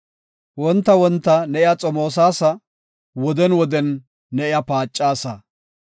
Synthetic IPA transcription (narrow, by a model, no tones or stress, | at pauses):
wɔnt̪ːɐwɔnt̪ːɐnɛʔɪjat͡sʼɔmoːs̬aːsɐ | wɔd̪ɛnwɔd̪ɛnː | ɛʔɪjɐpaːt͡ʃʼːaːsɐ